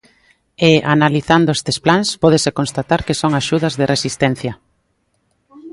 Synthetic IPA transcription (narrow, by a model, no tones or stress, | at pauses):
eʔanaliθand̪oest̪e̥splanspɔð̞esekõnst̪at̪aɾkesoŋaʃuðɐzðerʔesist̪ɛn̟θjɐ